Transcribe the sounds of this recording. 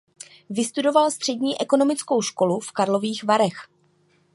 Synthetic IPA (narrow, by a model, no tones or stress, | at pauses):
vɪst̪udo̞valst̪r̝̥ɛdɲiːʔɛko̞no̞mɪt͡sko̞wʃko̞lufkaɾlo̞viːxvaɾɛx